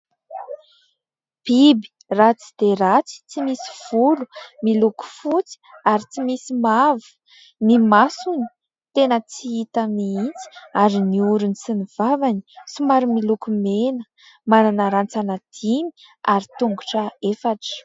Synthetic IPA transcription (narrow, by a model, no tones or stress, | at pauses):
b̥ibi̥ | rat͡si̥d̪̥eɾat͡si̥t͡simisi̥v̥ulumiluku̥fut͡si̥aɾit͡simisimavu̥ | nimasuni̥ | t̪enət͡siit̪əmiint͡si̥aɾiniuɾunisiniv̥avani̥sumaɾumilukumenə̥ | mananaɾant͡sanad̪̥imi̥ | aɾit̪uŋɡuʈ͡ʂəefaʈ͡ʂə̥